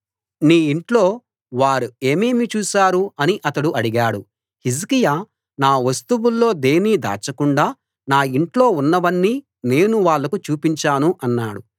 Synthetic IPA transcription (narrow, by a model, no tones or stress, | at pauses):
niːiɳʈlo̞ː | ʋaːɾue̞ːmeːmit͡ʃuːʃaːɾuɐniʔɐt̪ɐɽuʔɐɽiɡaːɽu | his̬kija | naːʋɐst̪uwulːo̞ːd̪e̞ːniːd̪a̰ːt͡ʃɐkuɳɖaː | naːiɳʈlo̞ːunːɐʋɐnːiː | ne̞ːnuʋaːɭːɐkut͡ʃuːpiɲt͡ʃaːnuʔɐnːaːɽu